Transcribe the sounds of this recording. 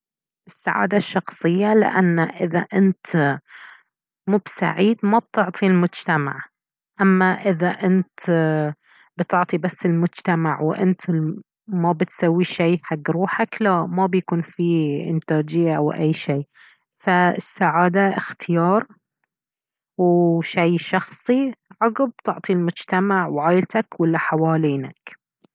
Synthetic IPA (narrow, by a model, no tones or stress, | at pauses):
ʔɪsːa̰ʕa̰ːd̪aʃːɑxsˤɨjːalɪ̰ʔa̰nːaʔɪða̰ʔɪnt̪ | muːbsa̰ʕiːd̪mab̚t̪ʊʕt̪ˤilmʊd͡ʒt̪ama̰ʕ | ʔamːaʔɪðaʔɪnt̪ | bɪt̪ʊʕt̪ˤibasːɪlmʊd͡ʒt̪amaʕwʔɪ̰nt̪ | mabɪt̪sawːiʃaːħaɡːɾuːħaklaʔmabjakuːnfiʔɪ̰nt̪aːd͡ʒɪjːaʔa̰wʔajːʃeː | faɪsːaʕaːd̪aʔɪxt̪ʰɪjɑːɾˤ | wʃajʃɑxsˤiʕɑɣɪb̚t̪ɪʕt̪ˤilmʊd͡ʒt̪amaʕwʕaːjlt̪akwalːaħawaːliːnak